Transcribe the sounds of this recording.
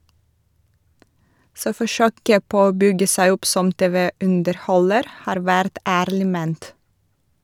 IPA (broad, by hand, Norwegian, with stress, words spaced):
ˈsoː fɔˈʃøːkə ˈpoː ˈoː ˈbʏɡə ˈsæɪ ˈʊp ˈsɔm ˈteːʋəʉndəɾˌhɔləɾ ˈhɑːɾ ˈʋæɾt ˈæːɾlɪ ˈmeːnt